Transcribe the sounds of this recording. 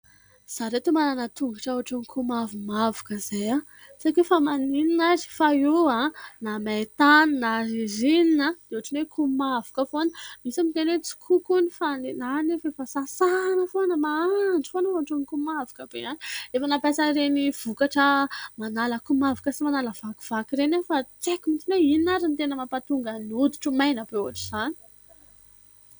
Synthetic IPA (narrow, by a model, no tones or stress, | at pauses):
z̥aɾet̪umananat̪uŋɡaʈ͡ʂauaʈ͡ʂonikʰumavimavakəz̥eja | sakefamanininazi̥fajuanamat̪annaɾizininad̪̥euaʈ͡ʂinwekʰumavḁkəfonəmisamit̪enwet͡si̥kʰukunifanenanifefasasanəfonəmaaɳɖ͡ʐi̥fonəuaʈ͡ʂunikumavi̥kəb̥eani̥efənapasaɾeniv̥ukaʈ͡ʂəmanaləkumavakəsimanaləv̥aku̥v̥akiɾenefat͡sekimint͡s̪ineininaɾint̪enəmapat̪uŋɡənud̪i̥ʈ͡ʂumajnabeuaʈ͡ʂiz̥ani̥